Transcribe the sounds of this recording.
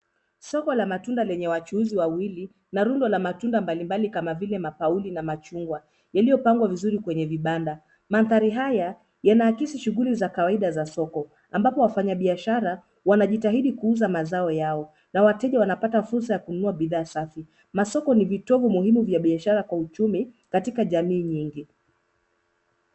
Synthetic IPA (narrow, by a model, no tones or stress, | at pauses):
sɔkɔlamatundalɛɲɛwat͡ʃuuziwawili | naɾundɔlamatundambalimbalikamavilɛmapaulinamat͡ʃuŋɡwa | jalijɔpaŋɡwavizuɾikwɛɲɛviɓanda | maθaɾiɦaja | janaːkisiʃuɣulizakawaiɗazasɔkɔ | ambapɔwafaɲaɓiaʃaɾa | wanaʄitaɦiɗikuuzamazaɔjaɔ | nawatɛʄawanapatafuɾsajakununuaɓiðaːsafi | masɔkɔnivitɔvumuhimuvjaɓiaʃaɾakwaut͡ʃumikatikaʄamiːɲiŋɡi